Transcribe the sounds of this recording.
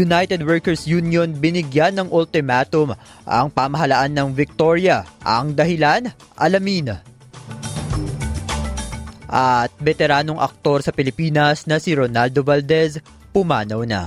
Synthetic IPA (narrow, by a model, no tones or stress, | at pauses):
jʊnajt̪ɛd̪wɛɹkɛɹsjunjonbɪnɪɡjanːɐŋʔʊlt̪ɪmat̪om | ʔɐ̰ŋpamɐɦɐlaʔanːɐŋvɪk̚t̪o̞ɹjɐʔɐ̰ŋd̪ɐɦɪlan | ʔɐlɐmin | ʔɐt̪̚bɛt̪ɛɾaːno̞ŋʔɐ̰k̚t̪o̞ɾsɐpɪlɪpiːnɐsnɐsiɾonald̪ovald̪ɛs | pʊma̰ːnɐwnɐ̰